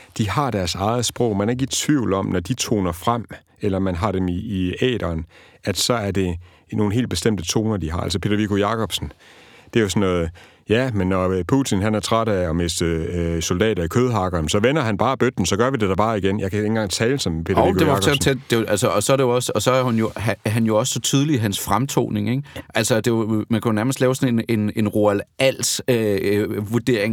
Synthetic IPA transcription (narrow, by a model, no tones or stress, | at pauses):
d̥ihɑ̈d̥æɐsɑ̈ɪð̩ˠsb̥ʁɔ̽ʊ̰mænæɐe̝ɡ̥əit͡sʰʋiʊ̰lɒ̽mnɒd̥it͡sʰo̝̰ːnɐfʁam̰ | elɐmænɦɑ̈ɾ̥emiːɛ̰ːd̥ɐːn | æd̥sɒ̽æɐd̥e̝ | no̝ːn̩ɦe̝̰ːld̚b̥e̝sd̥em̰d̥ət͡sʰo̝ːnɐd̥iɦɑ̈æ̰lsəpʰe̝ɾ̥ɐʋikʰojɑ̈kʰɒ̽b̥sn̩ | d̥e̝æjosɒ̽nːɔ̽ːð̩ˠ | jæmenːɒpʰut͡sʰinɦænæɐt͡sʰʁaɾ̥æɒ̽me̝sd̥əsold̥ɛ̰ːɾ̥ɐikʰøːð̞ˠɦɑ̈ɡ̥ɐːnsɒ̽ʋenɐɦænb̥ɑ̈ːb̥ød̥n̩sɒ̽ɡ̥ɶɐʋid̥e̝d̥æb̥ɑ̈ːiɡ̥enjɑ̈ɪkʰæe̝n̩ɡ̥ɑ̈ŋ̰t͡sʰɛːləsɒ̽mepʰe̝ɐɒʊikod̥eʋɑksɒt͡sʰed̥̚d̥e̝ʔælsəʔɒ̽sɒ̽ɾejoɒ̽səɒ̽sɒ̽æhunjo̝æɦænjo̝ɒ̽ssɒ̽t͡sʰið̞ˠliɦænsfʁamt͡sʰo̝̰ːne̝ŋeɡ̥ʔælsɐd̥e̝mænkʰæjonæɐməsd̥lɛːʊsɒ̽ne̝ne̝ne̝nʁo̝ælʔæl̰søʋuɐd̥e̝̰ɐ̰eŋ